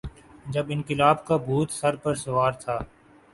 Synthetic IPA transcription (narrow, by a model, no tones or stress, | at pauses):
d͡ʒəbɪnkɪlaːbkabʱuːt̪sɐɾpəɾsʊʋaːɾt̪ʰaː